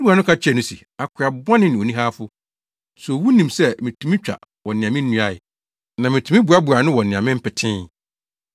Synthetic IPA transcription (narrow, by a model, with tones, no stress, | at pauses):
bu˨˦a˨nʊ̃˦kʰa˦t͡ɕʰᶣɛ˨nʊ̃˦sḭ˨ | a˨kʰʊ˨a˨bɔ˦nɪ̃˦nɪ̃˨o˨nĩ˦ɦaː˦fʊ˦ | sɔ˨wu˦nĩ˨msɛ˦mɪ̃˨tʰũ˨mĩ˦t͡ɕᶣa̰˨ | wɔ̃˨nɪ̃˨ã˨mɪ̃˦n̩ː˦ũ˦a˦˨ɪ˨ | nã˨mɪ̃˨tʰũ˨˦mɪ̃˦bu˨a˦bu˨a˨nʊ̃˦wɔ˨nɪ̃˨ã˨mɪ̃˦m̩˦pʰɪ˨tʰɪ̃˦